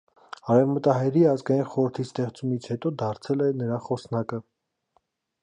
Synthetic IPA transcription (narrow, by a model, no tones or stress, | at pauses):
ɑɾɛvmət̪ɑɦɛɾiɑzɡɑjinχɔɾəɾt̪ʰist̪ɛχt͡sumit͡sʰhɛt̪ɔd̪ɑɾt͡sʰɛlɛnəɾɑχɔsnɑkə